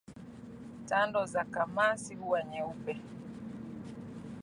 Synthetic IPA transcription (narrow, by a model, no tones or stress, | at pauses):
tandɔzakamasiuwaɲɛupɛ